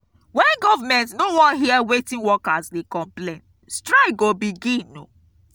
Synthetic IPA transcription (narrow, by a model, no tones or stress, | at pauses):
wɛ̃nɡɔvamɛ̃ntnowɔ̃nɦiɛwetĩnwɔkasdekɔ̃mplẽn | stɹaɪɡobiɡĩnːo̰